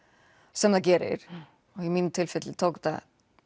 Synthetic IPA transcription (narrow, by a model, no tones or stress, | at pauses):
sɛmðaɡɛːɾɪ̰ɾ | ɔɣimint̪ʰɪlfɛt̪lt̪ʰɔkt̪a̰